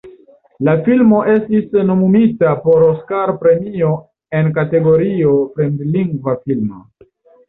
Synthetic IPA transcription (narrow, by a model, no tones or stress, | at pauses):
lafilmo̞ʔe̞stisno̞mumitapo̞ɾoskaɾpɾe̞mio̞ | e̞nkate̞ɡo̞ɾio̞pɾendliŋɡvafilmo̰